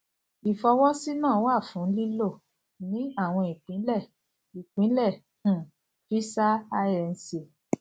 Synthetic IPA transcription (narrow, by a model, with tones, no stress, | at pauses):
i˨fɔ˧wɔ˦si˦nã˦˨˦wa˦˨fũ˨˦n̩˦li˦lo˦˨ | nĩ˨˦a˦˨w̃ɔ̃˧i˨k͡pĩ˨˦lɛ˦˨ | i˨k͡pĩ˨˦lɛ̃˦˨˦ | fi˦sa˦a˦ɾɛ˧n̩˦se˧˨